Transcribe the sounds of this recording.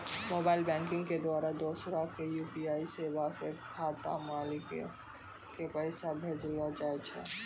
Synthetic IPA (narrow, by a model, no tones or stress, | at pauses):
moːbaːɪlbɛ̃ːŋkɪ̃ŋɡked̪waːɾad̪oːsɾakejuːpiaːiseːbasekʰaːt̪a̰maːlɪk | kepɛɪsabʱeːd͡ʒlad͡ʒaːet͡ʃʰeː